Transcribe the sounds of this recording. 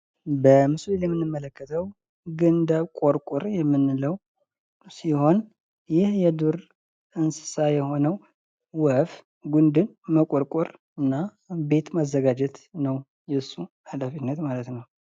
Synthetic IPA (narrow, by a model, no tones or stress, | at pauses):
bəmɨsulɨnjɛmːɨnːɨmːələkːət̪ʰəw | ɡɨnd̪əβkʼoɾkʼuɾjɛmːɨnːɨləw | siho̞n | jɪhjɛd̪uɾ | ɨnsɨ̥sajɛho̞nəw | wəf | ɡund̪ɨn | məkʼoɾkʼuɾ | ɨnːa | be̞t̪mazːəɡad͡ʒɛt̪nəw | jɛsːu | alafinːət̪malət̪nəw